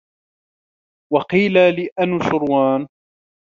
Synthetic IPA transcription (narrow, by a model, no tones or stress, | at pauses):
wɑqiːlalɪʔanʊʃʊɾwaːn